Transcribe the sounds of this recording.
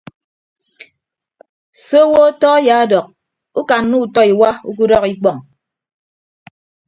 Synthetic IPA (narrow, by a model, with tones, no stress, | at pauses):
so˦wo˦tɔ˦ja˨a˦dɔ˨k̚ | u˦ka˨n˦nu˦u˨tɔ˦i˨wa˦u˦k̬u˦dɔ˦ki˦k͡pɔ˨ŋ